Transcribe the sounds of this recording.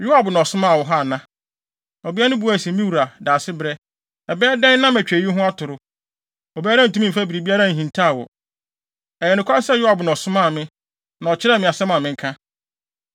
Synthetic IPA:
jʊ˦ha˨bnɔ̃˨sʊ̃˦mã˦˨wɔ˨ɦa˦˨nã˦ | ɔ˨bi˦a˦nʊ̃˦bu˨˦æ˦˨sɛ̃˨˦mĩ˦wu˨ɾa˨daː˨sɪ˦bɾɛ˦ | ɛ˨bɛː˦dɛ̃˦n˦nã˦mæ˨t͡ɕᶣe˨˦i˦ɦʊ̃˦a˦tʰʊ˨ɾʊ˨˦ | ɔ˨bi˦a˦ɾã˦n̩˨tũ˦ĩ˦˨fa˦bi˨ɾi˨bi˦a˦ɾã˦˨ɦĩ˨ntʰa˦˨wɔ̰˨ | ɛ˨jɛ˨nʊ̃˨kʰʷʊ˦a˦sɛ˦˨jʊ˦ha˨bnɔ̃˨sʊ̃˦mã˦˨mɪ̃˦ | nã˨ɔ˨t͡ɕʰɪ˦ɾɛ˦mɪ̃˨a˨sɛ˦mã˨mɪ̃˨ŋ̩˦kʰã˦

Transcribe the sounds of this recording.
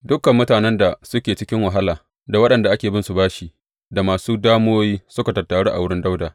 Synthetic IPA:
dʊ˦kːɐ˨mːʊ˦taː˨nɛ˦nda˨sʊ˦kʲeː˨t͡ʃɪ˦kʲɪ˦ŋwa˨ɦa˦laː˨ | da˨wɐ˦ɗɐ˨nda˨ʔa˦kʲeː˨bɪ˦nsu˨baː˦ʃi˨ | da˨maː˨suː˦daː˦moː˦jiː˦sʊ˦ka˨tɐ˨tːa˨ɽe˦ʔa̰˨wʊ˦ɽɪ˦nda˦wdaː˨

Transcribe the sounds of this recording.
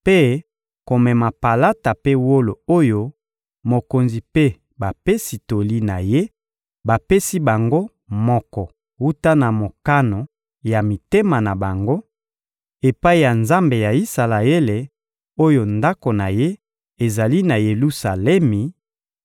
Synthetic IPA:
pe˦ | ko˨mɛ˨ma˨pa˨la˦ta˨pe˦wo˦lo˨o˦jo˦ | mo˨ko˨nzi˨pe˦ | ba˨pe˦si˨to˨li˦na˨je˦ | ba˨pe˦si˦ba˨ŋɡo˦ | mɔ˦kɔ˨ | wu˦ta˦na˨mo˨ka˦no˨ | ja˨mi˨te˦ma˨na˨ba˨ŋɡo˦ | e˨pa˦i˦˨ja˨nza˦mbe˨ja˨i˦sa˨la˨e˦le˨ | o˦jo˨nda˦ko˨na˨je˦ | e˨za˨li˦na˨je˨lu˦sa˨lɛ˦mi˨

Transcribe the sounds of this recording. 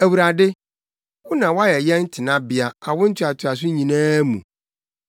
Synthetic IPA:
æ˨wu˨ɾa˨dɪ˦ | wʊ˦nã˨wa˦jɛ˨jɛ˦n̩˦tʰɪ˨nã˦bɪ˨a˨a˨wʊ̃˦n̩˦tʰᶣɪ˨˦a˨tʰɪ˨a˨s̬ʊ˦ɲĩ˨nãː˦mṵ̃˨

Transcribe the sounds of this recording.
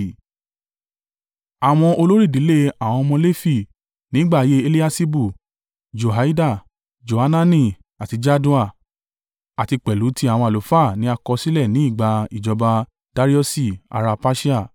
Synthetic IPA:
a˨w̃ɔ̃˧o˧lo˦ɾi˦˨di˨˦le˦a˨w̃ɔ̃˧mɔ̃˧le˦fi˦˨ | nĩ˨˦ɡ͡ba˦˨je˦e˧li˦a˦si˦bu˦˨ | d͡ʒo˨ɦa˨˦i˦da˦˨ | d͡ʒo˨ha˧˦nã˦nĩ˦˨ | a˨ti˧d͡ʒa˦du˦a˦˨ | a˨ti˧k͡pɛ˨lu˨˦ti˧˦a˨w̃ɔ̃˧a˨lo˨˦fa˦˨nĩ˨˦a˧kɔ˧si˦lɛ˦˨nĩ˨˦i˦˨ɡ͡ba˧i˨d͡ʒɔ˧ba˧ | d̥a˧ɾi˦ɔ˦si˦˨a̰˨ɾa˧pa˦ʃi˦a˦˨

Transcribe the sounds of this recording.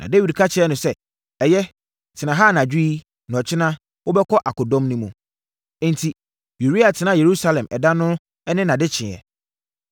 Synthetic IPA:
nʔã̰˨de˦wi˨dkʰa˦t͡ɕʰɪ˨˦ɛ˦nʊ̃˨sɛ˦ | ɛ˨jɛ˦ | tʰɪ˨nã˨ɦaː˦˨nã˨d͡ʑᶣi˦i˦ | nã˨ɔ˨t͡ɕʰɪ˦nã˦ | wʊ˦bɛ˦kʰɔ˦ʔa˨kɔ˨dɔ̃˦mnũ˦mũ˨˦˨ | n̩˨tʰi˨ | ju˨ɾi˦a˨tʰɪ˨nã˦je˨ɾu˦sa˦lɛ̃˨mʔɛ̰˨dã˦nʊ̃˦ | ɛ˦nɪ̃˦nã˨dɪ˦t͡ɕʰɪ̃˨ɛ̰˨

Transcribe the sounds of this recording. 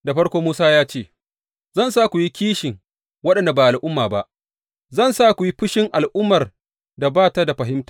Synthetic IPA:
da˨ɸɐ˦ɽkʷoː˦muː˦saː˦jaː˦t͡ʃeː˦˨ | zɐ˦nsaː˦kʷu˨ji˦kʲiː˦ʃɪ˨ŋ | wɐ˦ɗɐ˨nda˨baː˨ʔa˨lʔʊ˦mːaː˨ba˦ʔ | zɐ˦˨nsaː˦kʷu˨ji˦ɸʊ˦ʃɪ˦ŋʔa˨lʔʊ˦mːɐ˨r | da˨baː˦ta˦da˨ɸɐ˨ɦɪ˦mtḁ˨

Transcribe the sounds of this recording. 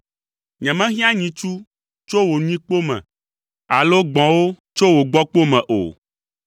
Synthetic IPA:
ɲɛ̃˨mɛ̃˦ɦĩ˦ã˦ɲĩ˨t͡ʃu˦ | t͡ʃo˦wo˨ɲ˦ĩ˦k͡po˦mɛ̰̃˨ | a˨lo˦ɡ͡bɔ̃˨wo˦ | t͡ʃo˦wo˨ɡ͡bɔ˦k͡po˦mɛ̃˨ʔo̰˨

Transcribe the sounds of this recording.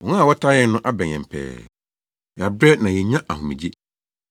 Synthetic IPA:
wɔ̃˨nã˦a˨wɔ˦tʰa˦jɛ˦n˦nʊ̃˦ʔa˦bɛ̃˨ɲ˨ɛ̃˨m̩˨pʰɛ̰ː˨ | ja˨bɾɛ˦nã˨jɛ˨ɲã˦ʔa˨hũ˨mĩ˨d͡ʑi˦

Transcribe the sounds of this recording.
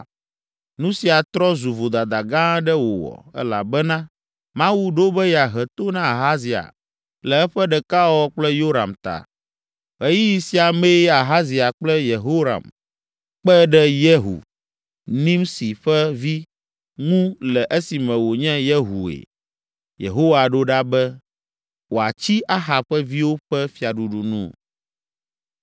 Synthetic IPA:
nũ˦si˨a˨t̪ɾɔ˦zu˨vo˨d̪a˨d̪a˨ɡã˦ɖɛ˦wo̰˨wɔ̰˨ɛ̰˦la̰˨bɛ˦nã˦ | mã˦wu˦ɖo˦bɛ˦ja˨ɦɛ˨t̪o˦nã˦a˨ɦa˦zi˨a̰˨ | lɛ˨ɛ˦ɸɛ˦ɖɛ˨ka˦wɔ˦k͡plɛ˦jo˦ɾa̰˨mt̪a̰˨ | ɦe˦ji˦ji˨si˨a˨me˦ja˨ɦa˦zi˨a˨k͡plɛ˦je˨ɦo˦ɾa̰˨m | k͡pɛ˦ɖɛ˦jɛ˦ɦṵ˨ | nĩ˦msi˨ɸɛ˦vi˦ | ŋũ˦lɛ˨ʔe˦si˨mɛ̃˨wo˨ɲɛ̃˦jɛ˦ɦu˨ḛ˨ | jḛ˨ɦo˦wa˨ɖo˦ɖa˦bɛ˦ | wo˨a̰˨t͡ɕi˦ʔa˦ɦa˨bɸɛ˦vi˦wo˦ɸɛ˦fi˨a˨ɖu˨ɖu˨nṵ̃˦˨

